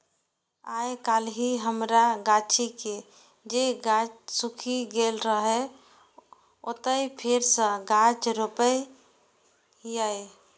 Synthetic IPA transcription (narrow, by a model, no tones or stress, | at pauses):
ajkalɦiɦəmɾaɡat͡ʃike | d͡ʒeɡat͡ʃsukʰiɡelɾəɦe | ot̪əipʰeɾsə̃ɡat͡ʃɾopə | jaje